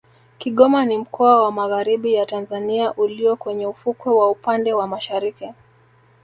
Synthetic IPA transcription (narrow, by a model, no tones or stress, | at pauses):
kiɠɔmanim̩kʰɔawamaɣaɾiɓijatanzaniaʔuliɔkwɛɲɛufukwɛwaupandɛwamaʃaɾiki